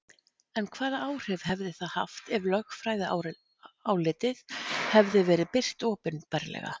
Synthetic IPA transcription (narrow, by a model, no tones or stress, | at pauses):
ɛnkʰvaːðaaːwr̥ɪv̥hɛvðɪθaðha̰ft̪ɪvlœxfɾaːjðɪ | aːwlɪːt̪ɪðhɛvðɪvɛːɾɪðpɪr̥t̪ɔːpʏnpɛɾlɛ̰ɣa̰